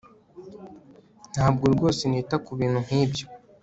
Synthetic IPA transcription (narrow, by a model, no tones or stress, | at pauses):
n̥haːb̚ɡoɾɡo̞ːseniːtakuβiːn̥hun̥iːbjo